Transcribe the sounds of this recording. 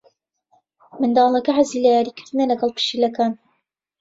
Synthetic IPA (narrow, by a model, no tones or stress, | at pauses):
mɨnd̪ɑːlˠɐkɐʕaziːlɐjaːɾiːkɪɾd̪ɨnɐlɐɡɑlˠpʰɨ̥ʃilɐkaːn